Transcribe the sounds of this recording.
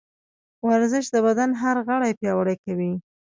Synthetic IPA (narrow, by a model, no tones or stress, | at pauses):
waɾzɪʃd̪əbad̪anɦaɾɣəɽajpjɑwaɽajkawi